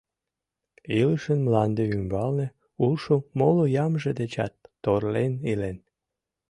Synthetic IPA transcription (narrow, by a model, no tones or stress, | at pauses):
iləʃənmlɑnd̪eymbɑlne | ulʃomolojɑmʒed̪et͡ɕɑ̰t̪ːorlenilen